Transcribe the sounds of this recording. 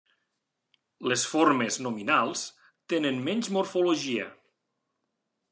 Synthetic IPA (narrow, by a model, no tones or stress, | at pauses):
lesfoɾmeznuminalˠs | t̪enenmɛɲʲzmuɾfuluʒiə̰